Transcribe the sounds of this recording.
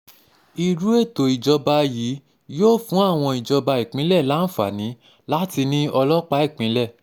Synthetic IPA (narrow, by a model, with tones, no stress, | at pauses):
i˧ɾu˨˦e˦˨to˨i˨d͡ʒɔ˧ba˧ji˨˦ | joː˦fũ˦a˦˨w̃ɔ̃˧i˨d͡ʒɔ˧ba˧i˨k͡pĩ˨˦lɛ˦˨la˨˦n̩˦˨fa̰˨nĩ˨˦ | la˦ti˧nĩ˦ɔ˧lɔ˦k͡pa˦i˦˨k͡pĩ˨˦lɛ˦˨